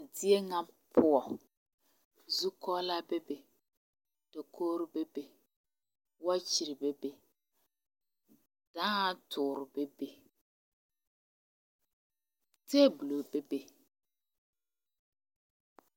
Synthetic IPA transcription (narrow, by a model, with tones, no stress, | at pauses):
dɪ˦e˦ŋa˦pʰʊ˦ɔ˨ | zu˦kɔ˦la˦be˦be˨ | d̥ɔ˨kʰoː˦ɾʊ˦be˦be˨ | wa˦t͡ʃɪ˨ɾɪ˨be˦be˨ | d̥a˦tʰʊː˨ɾʊ˨be˦be˨ | te˦bu˨lo˨be˦be˨